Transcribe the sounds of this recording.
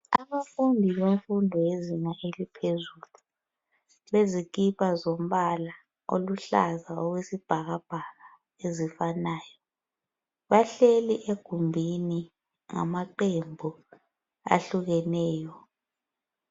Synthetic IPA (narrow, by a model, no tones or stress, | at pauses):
a̰βafundʱiβeɱfundʱɔjezinaʔelipʰezulu | βezik̬ipʰazom̩ɓala | o̰luɬa̰zaoɣwesib̥ʱaɣab̥ʱaɣa | ezifanaːjɔ | βaɬeliʔeɡ̥ʱumbʱini | ŋa̰maǃembʱu | a̰ɬuɣɛnɛːjɔ